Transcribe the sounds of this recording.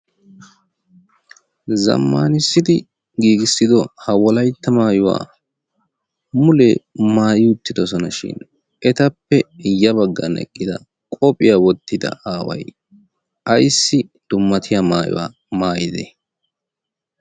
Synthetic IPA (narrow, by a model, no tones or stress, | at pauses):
zɐ̰mːaːnɪsːɪd̪ɪ | ɡiːɡɪsːɪd̪ɔhɐwɔlɐjt̪ːɐmaːjʊwa̰ː | mʊlemaːjɪʊt̪ːɪd̪ɔsɔnɐʃɪ̰n | ʔɛt̪ɐpːɛjɐbɐɡːɐnɛ̰kʼːɪd̪ɐ | kʼɔpʼɪjawɔt̪ʰːɪd̪ɐ̰aːwɐ̰j | ʔɐjsːɪd̪̥ʊmːɐt̪ʰɪjamaːjʊ̰wa̰ː | maːjɪd̪ɛ̰